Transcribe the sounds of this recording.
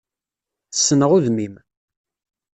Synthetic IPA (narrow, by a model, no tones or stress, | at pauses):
θəsːənəʁuðmim